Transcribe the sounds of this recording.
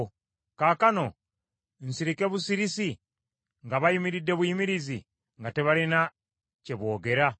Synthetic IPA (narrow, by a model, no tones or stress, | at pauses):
kaːkano̞ | n̩siɾike̞βusiɾisi | ŋɡaβajimiɾidːe̞βwujimiɾizi | ŋɡateβalina | ceβo̞ːɡe̞ɾa